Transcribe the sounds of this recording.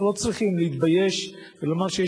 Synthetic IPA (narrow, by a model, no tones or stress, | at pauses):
lo̞t͡sʁiχimleit̪bajeʃvelamaʁʃeje